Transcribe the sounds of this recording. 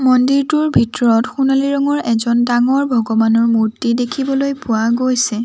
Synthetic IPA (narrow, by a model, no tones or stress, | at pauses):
mɔndiɹtuɹbʱitɔɹɔtxunaliɹɔŋɔɹɛzɔndaŋɔɹbʱɔɡɔbanɔɹmuɹtidekʰibɔlojpʊwaɡojsɛ